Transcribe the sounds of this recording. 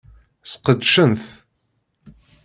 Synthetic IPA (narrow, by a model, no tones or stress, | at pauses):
sqəd̪ʃənθ